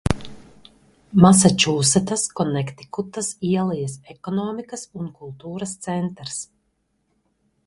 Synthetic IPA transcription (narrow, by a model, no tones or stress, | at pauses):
mas̬at͡ʃuːsɛt̪askɔnɛkt̪i̥kut̪ɐsiɛlˠijasɛkɔnɔːmikɐsunkulˠt̪uːɾɐst̪sɛnt̪ɾs